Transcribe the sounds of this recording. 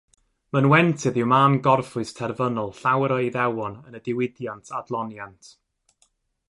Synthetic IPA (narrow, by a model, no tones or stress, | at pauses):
mənwɛntʰɨðɪwmaːmɡɔrfʊɨstʰɛrvənɔlˠɬawəɾɔiðɛwɔnənədɪwɪdjantʰadlˠɔnjantʰ